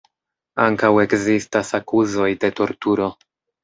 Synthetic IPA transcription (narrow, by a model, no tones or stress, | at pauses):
aŋkawe̞kzistasakuzo̞jde̞to̞ɾtuɾo̞